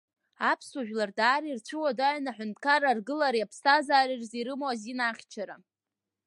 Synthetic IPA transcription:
apʰsaʒᶣlardaːɾirt͡ɕʷʰɨwadaʕnaħʷᶣʊntʰʼkʰaɾarɡɨlaɾiapʰstʰazaːɾirziɾɨmoazinaχʲt͡ʃʰaɾa̰

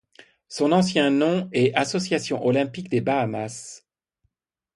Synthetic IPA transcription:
sɔ̃nɑ̃sjɛ̃nɔ̃ɛasɔsjasjɔ̃ʔɔlɛ̃pikd̪ebaːmas

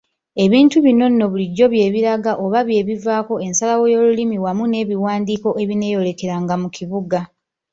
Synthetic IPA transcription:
e̞βiːntuβino̞nːo̞βuliɟːo̞βje̞ːβiɾaɡaʔo̞βaβje̞ːβivaːko̞e̞nsalawo̞jo̞ːlulimiwamune̞ːβiwaːndiːko̞ʔe̞βine̞ːjo̞le̞ke̞ɾaŋɡamukʰiβuɡa

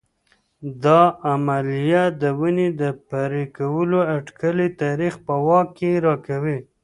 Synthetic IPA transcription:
d̪ɑamalijat̪̚d̪əwəned̪əpaɾekawəloaʈkəlit̪ɑɾixpəwɑkːeɾɑkawi

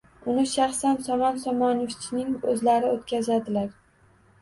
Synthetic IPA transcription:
ʊnɪʃaχsansɒmɒnsɒmɒnɪft͡ʃʰnɪŋɵzlaɾɪot̪kʲazad̪ɪlaɾ

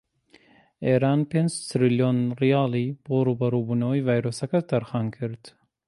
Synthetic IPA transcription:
eɾɑːnpenzsɾiljonɾijɑːliboɾubɐɾubunawivajɾosɐkɐt̪ɐɾxɑːnkʰɨɾt̪

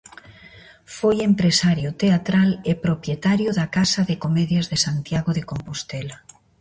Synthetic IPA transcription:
fojempɾesaɾjʊt̪eat̪ɾalepɾopjet̪aɾjoðakasaðekomeðjazðesant̪jaɣoðekompost̪ela

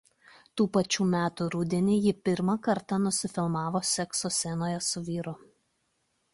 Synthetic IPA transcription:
t̪uːpɐt͡ʃʲuːmʲæːt̪uɾud̪ʲiɛnʲiːjɪpʲɪɾmɐkɐɾt̪ɑnʊsʲɪfʲɪlˠmɑːʋoːsʲɛksosʲɛnoːjɛsʊʋʲiːɾʊ

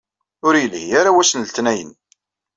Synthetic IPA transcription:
ʊɾjəlihaɾawæsənlt̪næjə̰n

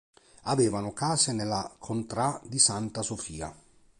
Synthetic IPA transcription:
aveːvanʊkaːsɪnelːakʰont̪ɾad̪isant̪asofiːa̰

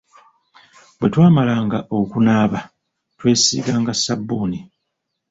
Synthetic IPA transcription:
bwe̞twaːmalaːŋɡaʔo̞kunaːβa | twe̞ːsḭːɡaːŋɡasabːuːni

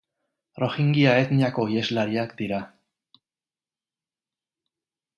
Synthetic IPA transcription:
ro̞xiŋɡiaet̪niako̞ie̞zlaɾiakd̪iɾa

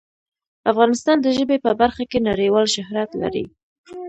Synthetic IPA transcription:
afɣɑnɪst̪ɑnd̪əʒəbepəbaɾxakenaɾewɑlʃʊhɾat̪la̰ɾḭ

